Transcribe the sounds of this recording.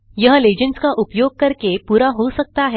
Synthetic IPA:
jɐɦleːd͡ʒənskaʔʊpjoːɡ̚kɐɾkepuːɾaɦosɐk̚t̪aɦɛː

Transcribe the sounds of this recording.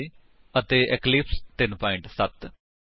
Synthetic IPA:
i | ət̪eːʔɛklɪpst̪ɪnpɔːɪɳʈsət̪

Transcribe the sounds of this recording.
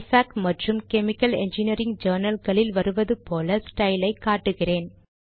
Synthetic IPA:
saːkmɐʈrɯmkɛmɪkːɐlɛ̰ɲd͡ʒɪnɐɾɪŋɡd͡ʒɐːɾnɐlɣɐɭɪlʋɐɾɯʋɐðɯpoːlɐsʈɐɪlɐɪkːaːʈːɯɣɪreːn

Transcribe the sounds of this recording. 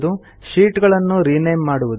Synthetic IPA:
d̪u | ʃiːʈɡɐɭɐnːuɾinɐjmːaːɽuʋud̪

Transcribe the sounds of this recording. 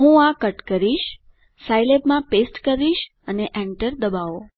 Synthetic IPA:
ɦũakəʈkəɾiʃ | sajlepmãpesʈkəɾiʃ | əneʔɛ̃ɳʈəɾd̪əbaʋo

